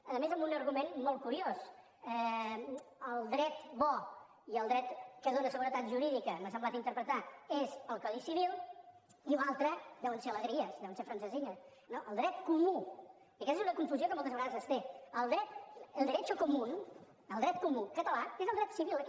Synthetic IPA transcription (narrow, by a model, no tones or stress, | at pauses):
əðəmezəmbunəɾɣumenmɔlˠt̪̚kuɾios | ɛ | əlˠd̪ɾɛt̪bɔ | iəlˠd̪ɾɛt̪kəðonəsəɣuɾət̪at̪ʒuɾiðikəməs̬əmblat̪int̪əɾpɾət̪aezəlˠkɔðisiβ̞ilˠ | iunalˠt̪ɾəd̪ɛwnseələɣɾiəsðɛwənsefɾənsəziɲə | noʔəlˠd̪ɾɛt̪kumu | jəkɛstezunəkuɱfuziokəmɔlˠt̪əzβəɣaðəzəst̪eəlˠd̪ɾɛt̪əlˠd̪əɾet͡ʃəkumun | əlˠd̪ɾɛt̪̚kumukət̪əlaezəlˠd̪ɾɛt̪siβilˠ